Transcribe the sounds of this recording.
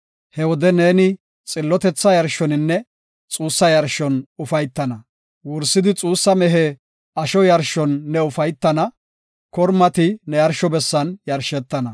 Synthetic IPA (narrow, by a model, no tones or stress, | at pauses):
hɛwɔd̪ɛne̞ːnɪ | t͡sʼɪlːɔt̪ɛt͡sːɐjɐɾʃɔnɪnːɛ | t͡sʼuːsːɐjɐɾʃɔnʊfɐjt̪ːɐnɐ | wʊɾsːɪd̪ɪt͡sʼuːsːɐmɛɦɛ | ɐʃɔjɐɾʃɔnːɛʊfɐjt̪ːɐnɐ | kɔɾmɐt̪ɪnɛjɐɾʃɔbɛsːɐnjɐɾʃɛt̪ːɐnɐ